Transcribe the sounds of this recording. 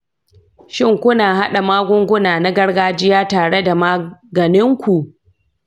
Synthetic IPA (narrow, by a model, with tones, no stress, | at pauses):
ʃɪ˦ŋkʷʊ˦naː˨ɦa˦ɗa˨maː˦ɡʷʊ˦ŋɡʷʊ˦naː˨na˦ɡɐ˦ɽɡaː˦d͡ʒɪ˦jaː˦taː˨ɽe˦da˨maː˦ɡɐ˨nɪ˦ŋkʷu˨ʔ